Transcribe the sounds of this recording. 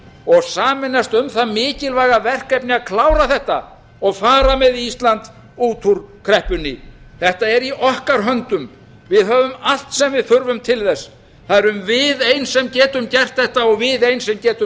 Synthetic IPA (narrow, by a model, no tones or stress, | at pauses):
ɔɣsaːmɪnːast̪ʏmθaðmɪːcɪlvaːɣavɛr̥kɛpnɪakʰlaːwɾaθɛht̪a | ɔɣfaːɾamɛðiist̪lant̪ | uːt̪ʰuɾkʰɾɛhpʏnːɪ̰θɛht̪aɛɾiʔɔhkaɾɦœnt̪ʏm | vɪðɦœːvʏmal̥t̪sɛmvɪðfʏɾvʏmt̪ʰɪlθɛsː | θaðɛɾʏmvɪðejnsɛmcɛːt̪ʏmcɛr̥t̪θɛht̪aɔɣvɪðejnsɛmcɛːt̪ʏm